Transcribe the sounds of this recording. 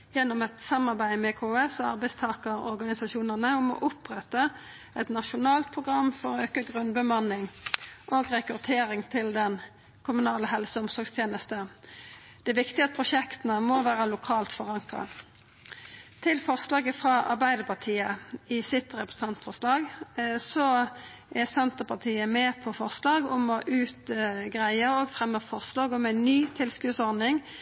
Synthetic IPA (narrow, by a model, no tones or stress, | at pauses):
jɛnːʊmɛt̪sɑmːɑʁbæɪmɛːkʰoɛsɑ̰ʁbæɪst̪ʰɑːkəʁɔ̰ʁɡɑnɪsɑʃuːnəʁnəʊmɔ̰ʔʊpʁɛt̪ːə | ɛt̪nɑʃʊnɑːlt̪̚pʰʁʊɡʁɑmːfɔɾøːkəɡʁʉnbəmɑnːɪŋʔoːɡʁɛkʉt̪ʰeːɾɪŋt̪ʰɪld̪ɛn | kʰʊmʉnɑːləɦɛlsəʊmsɔʁɡst̪ʰjeːnəst̪ə | d̪̥ɛʋɪkt̪ɪɑt̪̚pʰʁʊʃɛkt̪ənəmoʋæːʁəlʊkʰɑːlt̪fɔʁɑŋkɑ̰ | t̪ʰɪlfɔʁslɑːɡəfʁɑʔɑʁbæɪd̪əpʰɑʁt̪ʰiːəɪsɪt̪ʁɛpʁəs̩ɛnt̪fɔʁslɑːɡsɔ | ʔɛsɛnt̪əpɑt̪ʰiːəmɛpʰɔfɔʁslɑːɡʊmɔʔʉːt̪ɡʁæɪəɾoɡfʁɛmːəfɔʁslɑːɡʊmæɪnnyːt̪ʰɪlskʉːsɔʁdnɪŋ